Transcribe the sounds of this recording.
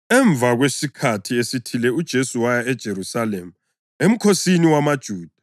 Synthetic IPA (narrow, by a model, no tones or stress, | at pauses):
ɛɱb̪vʱaɣwesikʰatʰiesitʰilɛud̥ʒ̥ʱesuwajaɛd̥ʒ̥ʱeɾusalemu | em̩kʰosiniwamad̥ʒ̥ʱuːd̥ʱa